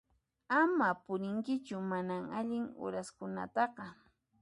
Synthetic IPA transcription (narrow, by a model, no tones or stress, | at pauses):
amapʊɾɪŋkɪt͡ʃʊmanaŋaʎɪŋʊ̰ɾaskʊna̰t̪ɑqɑ